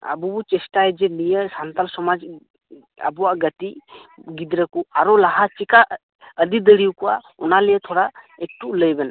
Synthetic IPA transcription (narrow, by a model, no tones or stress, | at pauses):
a̰bubut͡ʃɛstaɛd͡ʒɛnijəsant̪alsɔmad͡ʒ | a̰buwaɡətiɡid̪ɾəkuaɾɔlaɦat͡ʃikaʔ | əd̪id̪əɽiwkuwa | ɔnalɛjət̪ʰɔɾa | ek̚ʈuʔləjbɛn